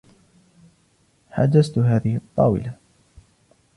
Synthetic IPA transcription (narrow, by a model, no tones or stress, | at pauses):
ħa̰d͡ʒast̪ɦaːðɪhɪt̪ˤːɑ̰ːwɪ̰la